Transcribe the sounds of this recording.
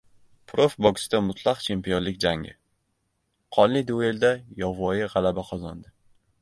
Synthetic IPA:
pʰɾofbɒɡʲɪsɪd̪amʊt̪ʰlˠɑqt͡ʃʰe̞mpijonlɪkʲd͡ʒaŋɪ̰ | qʰɒnlɪd̪e̞ld̪ajɒvɒjɪʁɑlabaqʰɒzɒnd̪ɪ

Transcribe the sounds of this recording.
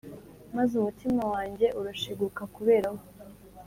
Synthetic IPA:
mazumutimawaːɲɟe̞ʔuɾaʃiɡukakuβe̞ːɾaho

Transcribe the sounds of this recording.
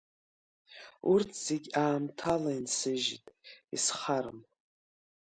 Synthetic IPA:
urtʰz̥eɡʲaːmtʰalainsɨʒḭtʼḭsχaɾɨ̰m

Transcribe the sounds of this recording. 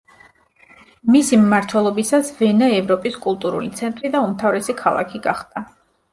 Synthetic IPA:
misimːaɾt̪ʰwɛlˠɔbisasvɛnaɛvɾɔpʼiskʼulˠt̪ʼuɾṵlḭt̪sʰɛnt̪ʼɾid̪aumt̪ʰavɾɛsikʰalˠa̰kʰiɡaχd̪̥a

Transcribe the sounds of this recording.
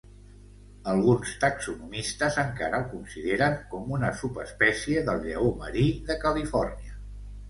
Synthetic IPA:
əlˠɣunst̪əksunumist̪əzəŋkaɾəəlˠkunsiðeɾəŋkɔmunəsupəspɛsiəðəlˠʎəomə̰ɾiðəkəlifɔrniə

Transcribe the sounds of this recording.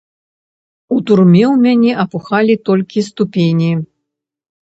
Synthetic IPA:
ut̪urmʲɛwmʲanʲɛʔɐpuxalʲit̪ɔlʲkʲist̪upʲenʲi

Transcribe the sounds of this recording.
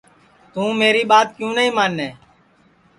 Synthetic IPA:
t̪ũːmeːɾiːɓaːt̪̚kjũːnəɦĩːmaːnːeː

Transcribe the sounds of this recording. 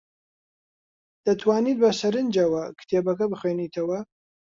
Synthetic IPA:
d̪̥ɐt̪ʰwaːniːd̪̚bɐsɐɾɨnd͡ʒɐwɐkʰɨ̥t̪ʰeːbɐkɐbɨχweːniːt̪ʰɐwɐ

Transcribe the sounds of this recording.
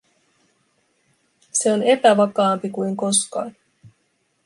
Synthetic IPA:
se̞o̞ne̞pæʋɑkɑːmpikujŋko̞skɑ̰ːn

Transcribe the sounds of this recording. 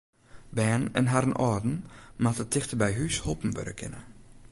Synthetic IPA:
bɛːnɛ̰nɦaɾənʔɔdn̩matətʰɪxtəbɛjɦyshopn̩ʋø̰ɾəkʰɪ̰nə̰

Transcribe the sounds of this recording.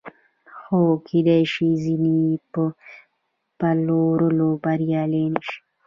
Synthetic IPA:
xokʰid̪eʃizinipə | paloːɾolobaɾijaleniʃi̥

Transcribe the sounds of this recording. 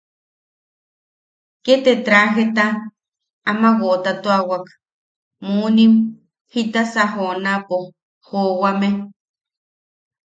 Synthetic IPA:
ket̪et̪ɾaɦet̪a | amawot̪at̪oawak | munim | hit̪asaɦonapo | howame

